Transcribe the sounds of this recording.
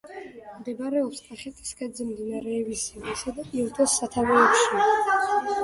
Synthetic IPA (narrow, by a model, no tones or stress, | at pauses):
md̪ɛbɾɛɔpsk̪ʼaχɛt̪ʰʼi̥skʰʼad̪zɛmd̪inaɾɛːvisɛvisad̪apʼiɾt̪ʰɔsːat̪ʰavɛɛbʃi